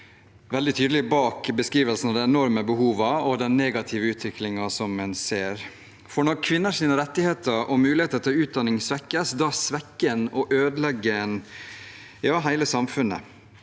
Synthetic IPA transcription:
ʋɛld̪ɪt̪ʰyːd̪əlɪbɑːkbəskɾiːʋəlsn̩ɑd̪æɛnɔɾməbəɦuːʋɑɔd̪ɛnnːeːɡɑt̪ʰɪʋəʉːt̪ʰʋɪklɪŋɑsɔmːɛnseːɾ | fɔɳɔɾkʰʋɪnːəʂiːnəɾɛt̪ːɪheːt̪ʰəɾʔɔmʉːlɪheːt̪əɾt̪ʰɪlʉːt̪̚d̪ɑnːɪŋsʋɛkːəsd̪ɑsʋɛkːənɔʔøːd̪əlɛɡən | jɑːɦæɪləsɑmfʉnːə̰

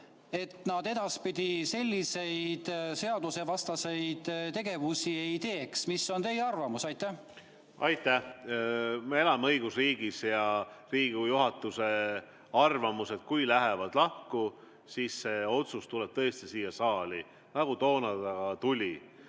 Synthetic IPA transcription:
e̞t̪nɑd̪̥e̞d̪̥ɑspid̪̥ʲise̞lʲːise̞jd̪̥se̞ɑd̪usevɑst̪ɑse̞jd̪̥t̪e̞ɡ̥e̞vusiejt̪e̞ːksmisːo̞nt̪e̞jɑrvɑmusɑjt̪ːˑæ | ɑjt̪ːˑæh | mee̞lɑmeɤjɡ̥usriːɡ̥isjɑriːɡujuɦɑt̪ːˑuse̞ | ɑrvɑmuse̞t̪̚kujlæɦevɑd̪̥lɑhku | siːsːeo̞t̪sust̪ulɛb̥̚t̪ɤest̪isiːjɑsɑːli | nɑɡ̥ut̪o̞ːnɑd̪ɑɡ̥ɑt̪ulʲi

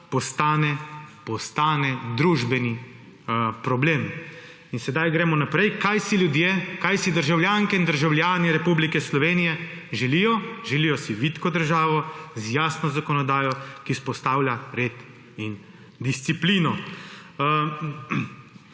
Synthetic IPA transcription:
pɔst̪aːnɛpɔst̪aːnɛd̪ɾuːʒbɛni | pɾɔbleːm | insɛd̪ajɡɾɛːmɔnapɾɛjkajsiljud̪jekajsid̪əɾʒawljaːŋkɛind̪əɾʒawljaːniɾɛpublikɛslɔʋeːnijɛ | ʒɛlijɔʒɛlijɔsiʋit̪kɔd̪əɾʒaːʋɔzjaːsnɔzakɔnɔd̪aːjɔkispɔst̪aːwlʲjʲaɾeːt̪ | in | d̪ist̪sipliːnɔ

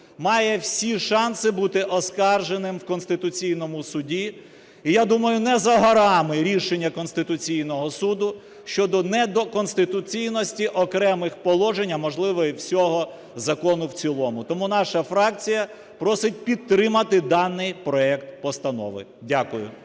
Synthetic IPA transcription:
mɑjɛwsʲiʃɑnsɪbut̪ɪʔɔskɑrʒenɪmwkɔnst̪ɪt̪ʊt͡sʲijnɔmʊsʊdʲi | ijad̪umɐjʊnɛzɐɦɔɾɑmɪɾʲiʃenʲːɐkɔnst̪ɪt̪ʊt͡sʲijnɔɦɔsud̪ʊ | ʃt͡ʃɔd̪ɔnɛd̪ɔkɔnst̪ɪt̪ʊt͡sʲijnɔsʲtʲiʔɔkɾɛmɪxpɔlˠɔʒenʲːɐmɔʒlˠɪʋɔiwsʲɔɦɔ | zɐkɔnʊwt͡sʲilˠɔmʊt̪ɔmunɑʃɐfɾɑk̚t͡sʲijɐ | pɾɔsɪt̚ʲpʲid̪ɾɪmɐt̪ɪd̪ɑnːɪjpɾɔɛkt̪̚pɔst̪ɐnɔ̰ʋɪ̰ | dʲakʊjʊ̰

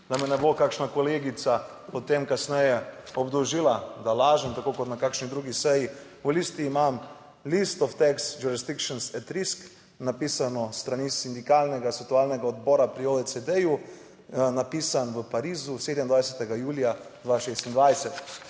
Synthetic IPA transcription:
d̪amɛnɛbokakʃnakɔleːɡit̪sa | pot̪emkasnɛjɛɔbd̪ɔʒiːlad̪alaːʒənt̪akokɔt̪nakakʃnid̪ɾuɡisɛji | ulist̪iːmam | list̪ɔft̪ɛksd͡ʒuɾisd̪ikʃɔnsɛt̪ɾisk | napiːsanɔst̪ɾanisind̪ikaːlnɛɡasɛkt̪ualnɛɡaɔd̪bɔːɾapɾioɛsɛd̪ɛju | napiːsanʋəpaɾiːzuseːd̪əmind̪ʋajsɛt̪ɛɡajuːlijad̪ʋaʃest̪ind̪ʋajsɛt̪

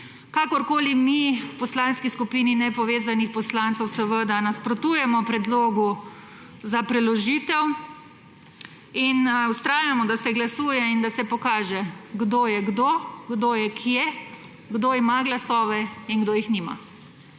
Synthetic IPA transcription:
kakɔɾkoːlimipɔslanskiskupiːninɛpɔʋeːzanixpɔslant̪səwsəʋəd̪anaspɾɔt̪uːjɛmɔpɾɛd̪loːɡu | zapɾɛlɔʒiːt̪ɛw | inust̪ɾaːjamɔd̪asɛɡlasuːjɛind̪asɛpɔkaːʒɛɡd̪oːjɛɡd̪oɡd̪ojɛkʰijɛ | ɡd̪oimaɡlasɔːʋɛinɡd̪oːjixnima̰

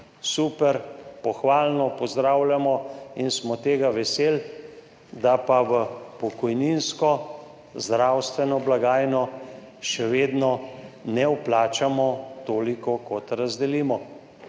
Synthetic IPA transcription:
suːpɛɾpɔxʋaːlnɔpɔzd̪ɾaːwljamɔinsmɔt̪eːɡaʋɛseːl | d̪apaʋəpɔkɔjninskɔ | zd̪ɾawst̪ʋɛnɔblaɡaːjnɔ | ʃɛʋeːd̪nɔnɛwplaːt͡ʃamɔt̪oːlikɔkɔt̪ɾazd̪ɛliːmɔ

